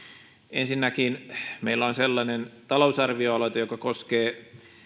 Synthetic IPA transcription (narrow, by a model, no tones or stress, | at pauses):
ensinːækinmeilːæonselːɑnent̪ɑlousɑrʋioɑloˑit̪ɑjokɑkoskeː